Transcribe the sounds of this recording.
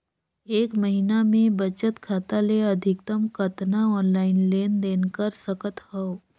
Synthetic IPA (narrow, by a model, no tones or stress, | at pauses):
eːkməɦinamẽbət͡ʃət̪kʰaːt̪aleɐd̪ʱɪkt̪əmkʰət̪naɔːnlaːɪnleːnd̪eːnkəɾsəkət̪hɔo